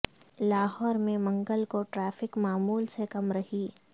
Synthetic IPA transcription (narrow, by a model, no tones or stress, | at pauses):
laːɦɔːɾmẽmɐ̃ŋɡəlkoʈɾɛːfɪkmaːmuːlsekɐmɾɐɦiː